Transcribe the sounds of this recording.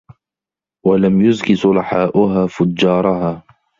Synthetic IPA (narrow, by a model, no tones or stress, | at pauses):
walamjʊzkɪsʊlɑħaːʔʊɦaːfʊd͡ʒːɑːɾˤɑɦaː